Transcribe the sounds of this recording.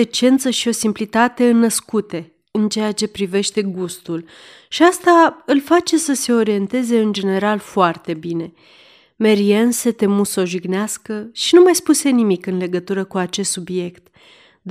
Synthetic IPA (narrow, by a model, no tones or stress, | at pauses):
et͡ʃe̞nt̪səʃio̞simplit̪at̪e̞ɨnːəskut̪e̞ | ɨnt͡ʃe̞jat͡ʃe̞pɾive̞ʃt̪e̞ɡust̪ul | ʃiast̪aɨlfat͡ʃe̞səse̞o̞ɾie̞nt̪e̞ze̞ɨnd͡ʒe̞ne̞ɾalfoart̪e̞bine̞ | me̞ɾiense̞t̪e̞muso̞ʒiɡneaskəʃinumajspuse̞nimikɨnle̞ɡət̪uɾəkuat͡ʃe̞st̪subje̞kt̪ | d̪